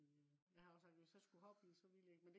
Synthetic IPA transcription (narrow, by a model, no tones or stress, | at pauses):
jɑhɑ̈ɔsɑɡ̥̚d̥ʋesɒsɡ̥uhɒb̥ḭːsɒ̽ʋilje̝ɡ̥mend̥